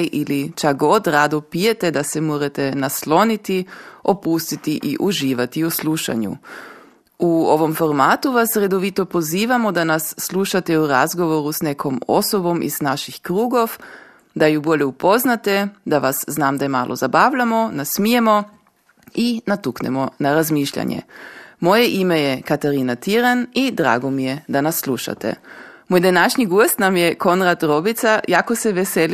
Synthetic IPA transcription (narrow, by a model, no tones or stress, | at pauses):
ʔilit͡ʃakɡod̪ɾaːd̪opijet̪ed̪asɛmoːɾat̪enaslonit̪iopust̪it̪iʔiʔuʒiːʋat̪iusluʃa̰ɲṵ | uoʋomfoɾmaːt̪uʋasɾe̞d̪oʋit̪opoziːʋamod̪anasːluʃat̪euɾazɡoʋoɾusnekʰomo̰sobo̞mʔḭznaʃixkɾuːɡoʋ | d̪ajuboʎeupo̞znat̪ed̪aʋasznaːmd̪ajema̰ːlʔo̰zabaːʋʎamonasmijemo̞ | inat̪uknḛmonaɾazmiːʃʎa̰ɲḛmo̞jeʔimejekat̪aɾinat̪iɾanid̪ɾa̰ːɡomijed̪anasːlˠuʃa̰t̪ḛmojd̪anaʃɲiɡust̪namjeko̞nɾat̪ɾobit̪sajakoseʋesel